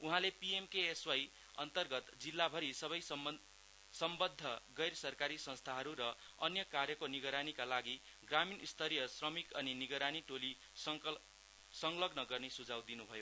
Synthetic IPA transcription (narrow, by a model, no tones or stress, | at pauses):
uɦãlepiemkeːswaj | ʌ̰nt̪ʌrɡʌt̪d͡zilːabʱʌɾisʌβʌj | sʌmbʌd̪ʱːʌɡʌjrsʌrkaɾisʌ̃nst̪ʰaɦʌɾuɾʌ | ʌnjʌkarjʌkoniɡʌɾanikalaɡi | ɡraminist̪ʰʌɾijʌsrʌmikʌniniɡʌɾaniʈoli | sʌ | sʌŋlʌɡnʌɡʌrnesud͡zawd̪inubʱʌjo